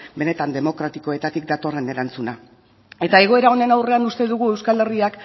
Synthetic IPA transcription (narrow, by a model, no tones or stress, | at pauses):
be̞ne̞t̪and̪e̞mo̞kɾat̪ikoe̞t̪at̪ik̚d̪at̪o̞re̞ne̞ɾant͡suna | e̞t̪ae̞ɣ̞o̞e̞ɾao̞ne̞nawre̞anust̪e̞ðuɣ̞ue̞wskale̞riak